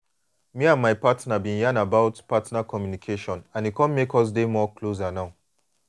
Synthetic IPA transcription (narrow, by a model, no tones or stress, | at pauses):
miãnmaɪpatnabĩnjãnabaʊtpatnakʰɔmjunikʰeʃɔ̃nãnikʰɔ̃nmekɔs̬demɔkʰlozanaʊ